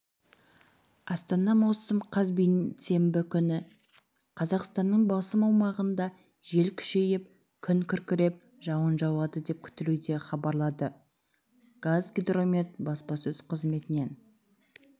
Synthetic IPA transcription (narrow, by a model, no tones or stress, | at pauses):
ɑst̪ɑnɑmɑwsəmqʰɑzbijse̞mbɪkʲʰʏnɪ | qʰɑzɑqst̪ɑnːəɴbɑsəmɑwmɑʁənd̪ɑ | ʒe̞lkʲʰʏ̥ʃe̞jɪp̚ | kʲʰʏnkʲʰʏɾkʲɪɾe̞p̚ | ʒɑwənʒɑwɑd̪əd̪e̞p̚kʲʰʏ̥t̪ɪlud̪e̞χɑbɑɾlˠɑd̪ə | ɡ̥azɡʲed̪ro̞mʲe̞t̪bɑspɑsɵzqʰəzme̞t̪ɪne̞n